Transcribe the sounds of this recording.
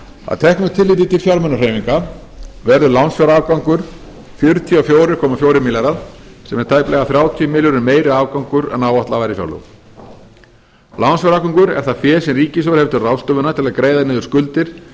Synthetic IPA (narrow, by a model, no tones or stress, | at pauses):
a̰ðt̪ʰɛhknʏt̪ʰɪlːiːt̪̬ɪt̪ɪlfjaɾmœnːar̥eːjmiŋka | vɛɾðʏlawnsfjɔwɾaaːvkawŋkʏɾ̥ | fjʏɾt̪ʰijafjoːwɾɪɾkʰɔːmafjoːwɾɪɾmɪlaɾaðsɛmɛɾ̥t̪ʰaːjplɛɣaθɾjaːwt̪ʰiʏmɪːljʏɾʏmeːjɾʏaːvkawŋkʏɾɛ̰naːwaht̪lavajɾɪfja̰wlo̰w | lawnsjawɾakaŋkʏɾɛ̰ɾ̥θafjɛːsɛmriːcɪs̬ɔɾhɛft̪ʏrawst̪œːvʏnat̪ʰɪlakɾeːjðanɪːðʏɾ̥skʏlt̪ɪɾ̥